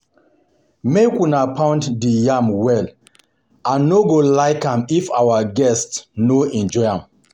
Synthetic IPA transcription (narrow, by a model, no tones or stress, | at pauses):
mekunapʰãʊ̃ntdijãmwɛl | ãnːoɡolaɪkãmifawaɡɛstsnoɛ̃nd͡ʒɔɪãm